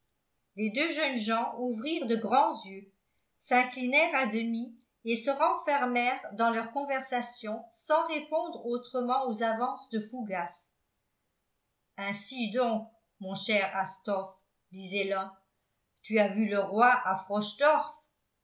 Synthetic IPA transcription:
led̪øʒœnʒɑ̃ʔuvʁiːʁd̪əɡʁɑ̃zjø | sɛ̃klinɛʁad̪əmi | esəʁɑ̃fɛʁmɛʁd̪ɑ̃lœʁkɔ̃vɛʁsasjɔ̃sɑ̃ʁepɔ̃d̪ʁot̪χəmɑ̃ozavɑ̃sd̪əfuɡas | ɛ̃sid̪ɔ̃k̚ | mɔ̃ʃɛʁast̪ɔf | d̪izɛlɔ̃ | t̪yavyləʁwaʔafχɔʃd̪ɔʁf

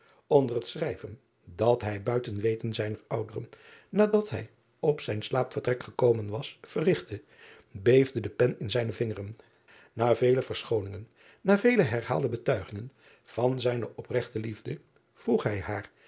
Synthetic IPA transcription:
ɔndərətsrɛjvən | dɑtɦɛjbœɥtənʋejtənzɛjnəɹʌwdərənnaːdɑtɦɛj | ɔpsɛjnslaːpfərtrɛkχəkowmənʋɑsfərɪχtə | bejvdədəpɛnɪnzɛjnəvɪŋərən | naːvejləvəɹsχownɪŋənː | aːvejləɦɛɹɦa̰ːlˠdəbətœɥχɪŋən | v̥ɑnzɛjnəʔɔprɛχtəlivdə | v̥ruχɦɛjɦaːɹ

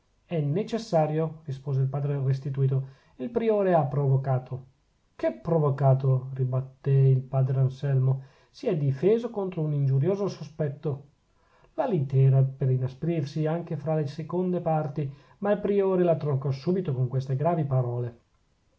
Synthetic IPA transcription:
ɛnːet͡ʃesːaːɾjorispoːzeilpaːd̪ɾeres̬t̪it̪uiːt̪o | ilpɾioːɾeapːɾovokaːt̪ʰo | kepːɾovokaːt̪̬oribat̪ːeilpaːd̪ɾeansɛlmo | siɛd̪ifeːzokont̪ɾounind͡ʒuɾjoːzosospɛt̪ːo | lalit̪ɛːɾapeɾinaspɾirsiaŋk̟efɾalesekond̪epart̪i | mailpɾioːɾelat̪ɾokːɔsuːbit̪okoŋkwest̪eɡɾaːvipaɾɔːle

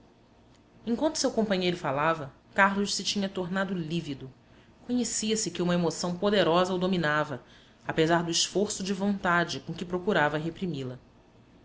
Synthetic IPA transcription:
ẽŋkw̃nt̪u̥sewkõmpɐ̃ɲejɾʊfalavɐ | kaɾlʊʃsɪt͡ʃĩɲɐt̪oɾnad̪ʊlivid̪ʊ | koɲesiɐsɪkɪũmɐemosɐ̃w̃pod̪eɾɔzɐod̪ominavɐ | apezaɾd̪ʊiʃfoɾsʊd͡ʒɪvõnt̪ad͡ʒɪkõkɪpɾokuɾavɐɦepɾimilɐ

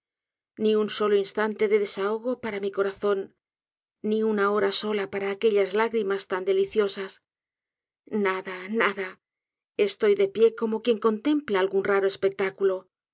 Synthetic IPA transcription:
niunso̞loinst̪ant̪e̞ðe̞ðe̞sao̞ɣ̞o̞paɾamiko̞ɾaθo̞nː | iunao̞ɾaso̞lapaɾaːke̞ʎazlaɣɾimast̪and̪e̞liθjo̞sas | naðanaða | e̞st̪o̞jðe̞pje̞ko̞mo̞kje̞ŋko̞nt̪e̞mplaːlɣunraɾoe̞spe̞k̚t̪akulo̞

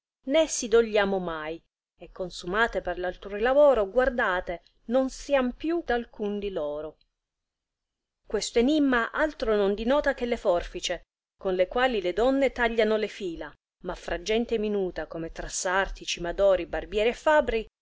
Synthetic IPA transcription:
nesːid̪oʎːaːmomaj | ekːonsumaːt̪eperlalt̪oilavɔːɾoɡward̪aːt̪e | nonsiampjud̪alkund̪ilɔːɾo | kwest̪oenimːaʔalt̪ɾonond̪inɔːt̪akelːefɔrfit͡ʃe | konlekwaːliled̪ɔnːet̪aʎːanolefiːla | mafːɾad͡ʒːɛnt̪eminuːt̪akomet̪ɾasːart̪it͡ʃimad̪ɔːɾibarbjɛːɾiɛfːabɾi

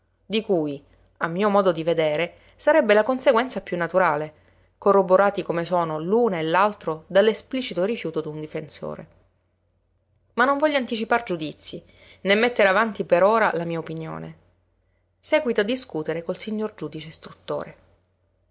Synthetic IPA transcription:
d̪ikuːj | amːiːomɔːd̪od̪ived̪eːɾe | saɾɛbːelakonseɡwɛnt̪sapjunːat̪uɾaːle | korːoboɾaːt̪ikomesoːnoluːnelːalt̪ɾod̪alːespliːt͡ʃit̪orifjuːt̪od̪und̪ifenso̰ːɾḛ | manːoɱvɔʎːoant̪it͡ʃipard͡ʒud̪it̪sːi | nemːet̪ːeɾeavant̪ipeɾoːɾalamiːaopinjo̰ːnḛ | sɛːɡwit̪oad̪ːiskut̪eɾekolsiɲːord͡ʒuːd̪it͡ʃest̪ɾut̪ːo̰ːɾe

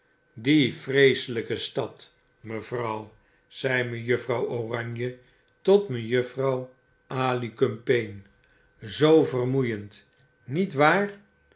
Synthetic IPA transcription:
difrejsələkəstɑt | məvrʌw | z̥ɛjmənjəfrɑworɑɲjə | tɔtmənjɵfrɑw | ʔaːlikɵmpejn | zowvərmujənt | nitʋaːr

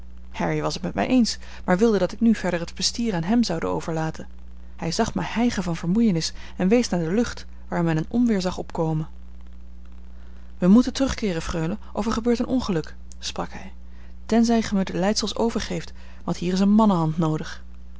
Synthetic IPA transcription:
hɛɹiʋɑsətmɛtmɛ̰jʔejns | maːɹʋɪlˠdədɑtɪknyv̥ɛɹdəɹɦətpɛstiːraːnɦɛmzɑwdə̰o̰wv̥əɹlaːtʰən | hɛjzɑχmɛhɛjχəvɑnvəɹmujənɪs | ɛnʋejsnaːɹdəlɵχt | ʋaːɹmɛnənʔɔnʋɪːɹzɑχɔpkowmən | ʋəmutəntrɵχkɪːrəfrøɥləʔɔfɛɹχəbøːɹtənʔɔnχəlɵk | sprɑ̰kɦɛj | tɛnzɛjχəmədəlɛjtsəlˠso̰wvəɹχejft | ʋɑntɦiːrɪs̬ənmɑnəɦɑntnowdəχ

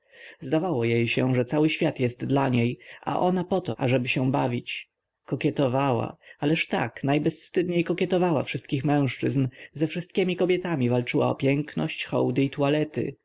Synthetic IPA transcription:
zd̪avawɔjejɕɛʐɛt̪sawɘɕfʲjat̪jɛst̪d̪laɲejʔa̰ʔɔnapɔt̪ɔʔaʐɛbɘɕɛbavʲit͡ɕ | kɔkʲɛt̪ɔvawa̰alɛʂt̪a̰knajbɛsfst̪ɘd̪ɲejkɔkʲjɛt̪ɔvawa̰fʂɘst̪̚kʲixmɛ̃w̃ʂt͡ʂɘznzɛfʂɘst̪̚kʲemʲikɔbʲjɛt̪amʲivalt͡ʂɘwa̰ɔ̰pʲjɛŋknɔ̰ɕt͡ɕxɔ̰wd̪ɘit̪ualɛt̪ɘ̰

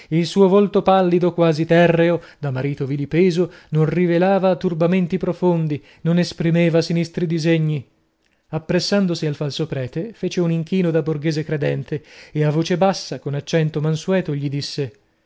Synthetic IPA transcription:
ilsuːovolt̪opalːid̪okwaːzit̪ɛrːeod̪amaɾiːt̪ovilipeːzononrivelaːvat̪urbament̪ipɾofond̪i | nonespɾimeːvasinist̪ɾid̪izeɲːi | apːɾesːand̪osialfalsopɾɛːt̪efeːt͡ʃeuniŋkiːnod̪aborɡeːzekɾed̪ɛnt̪eeavoːt͡ʃebasːakonat͡ʃːɛnt̪omansuɛːt̪oʎid̪isːe

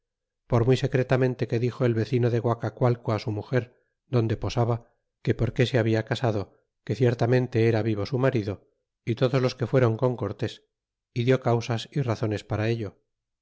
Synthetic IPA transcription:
po̞ɾmwujse̞kɾe̞t̪amẽ̞nt̪e̞ke̞ðixo̞e̞lβe̞θino̞ðe̞ɣwakakwalkoasumuxe̞ɾ | d̪o̞nd̪e̞po̞saβa | ke̞po̞ɾke̞seaβiakasaðo̞ | ke̞θje̞ɾt̪amẽ̞nt̪e̞eɾaβiβ̞o̞sumaɾiðo̞ | it̪o̞ðozlo̞ske̞fwe̞ɾo̞ŋko̞ŋko̞ɾt̪e̞s | iðjo̞kawsasiraθo̞ne̞spaɾae̞ʎo̞

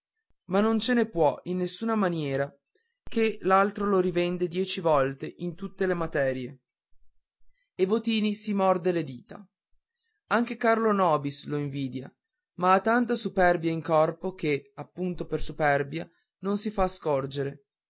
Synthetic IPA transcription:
manːont͡ʃenepwɔinːesːuːnamanjɛːɾa | kelalt̪ɾoloɾivɛnd̪ed̪jɛːt͡ʃivɔlt̪eʔint̪ut̪ːelemat̪ɛːɾje | ebot̪iːnisimɔrd̪eled̪iːt̪a̰ | aŋkekarlonɔːbisloiɱviːd̪ja | maːt̪ːant̪asupɛrbjaiŋkɔrpokeapːunt̪opersupɛrbja | nonsifaskɔrd͡ʒeɾe

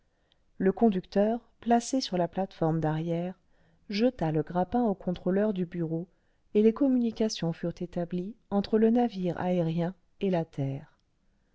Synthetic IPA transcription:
ləkɔ̃d̪ykt̪œʁ | plasesyʁlaplat̪fɔʁmd̪aʁjɛʁ | ʒət̪aləɡʁapɛ̃okʰɔ̃t̪χolœʁd̪ybyʁo | elekɔmynikʲasjɔ̃fyʁt̪et̪abliɑ̃t̪χələnaviʁa̰eʁjɛ̃ | elat̪ʰɛːʁ

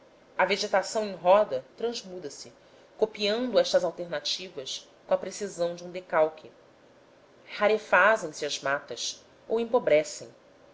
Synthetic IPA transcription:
ɐveʒet̪asɐ̃w̃ẽj̃ɦɔd̪ɐt̪ɾɐ̃zmud̪ɐsɪ | kopiɐ̃nd̪ʊɛʃt̪ɐzawt̪eɾnat͡ʃivɐs | kõɐpɾesizɐ̃w̃d͡ʒɪũd̪ekawkʰɪ | haɾefazẽj̃siɐzmat̪ɐs | owẽpobɾɛsẽj̃

